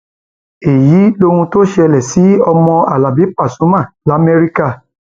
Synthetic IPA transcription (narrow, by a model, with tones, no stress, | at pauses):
e˨ji˨˦lo˦ɾ̃ũ˧to˦ʃe˧ɛ˧lɛ˨si˨˦ɔ˧mɔ̃˧a˨la˨bi˨˦pa˦˨sũ˨˦mã˦˨la˨˦me˧ɾi˦ka˦˨